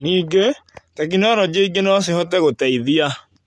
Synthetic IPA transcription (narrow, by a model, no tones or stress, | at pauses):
niːɡetak̬inɔɾɔd͡ʑeiɡenɔsehɔtɛɣotɛiðia